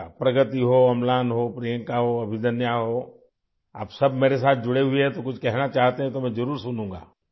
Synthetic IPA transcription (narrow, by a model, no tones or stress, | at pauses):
pɾɐɡət̪iɦoːɐmlaːnɦoːpɾijə̃ŋkaɦoɐbʱɪd̪ənjaɦoː | a̰ːpsɐbmeːɾesaːt̪̚ʰd͡ʒʊɽeɦʊeɦɛ̃t̪okʊt͡ʃʰkɛɦnat͡ʃaːɦt̪eɦɛ̃t̪omɛ̃d͡ʒɐɾuːɾsʊnũːŋɡa̰ː